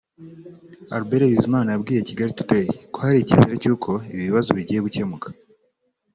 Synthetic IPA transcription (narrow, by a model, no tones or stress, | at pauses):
a̰ɾube̞ɾeβizimaːnajabɡiːje̞ciɡaɾitu̥tejekohaɾicḛzeɾecuːkʰo̞iβiβiβazoβiɟiːje̞ɡuce̞mukḁ